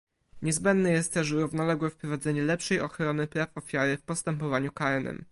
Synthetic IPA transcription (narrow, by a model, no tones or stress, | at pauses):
ɲɛzbɛnd̪nɛjɛst̪t̪ɛʂuɾuvnɔlɛɡwɛfpɾɔvad̪zɛɲɛlɛpʂɛjɔxɾɔnɘpɾafɔfʲjaɾɘfpɔst̪ɛmpɔvaɲukaɛnɛ̰m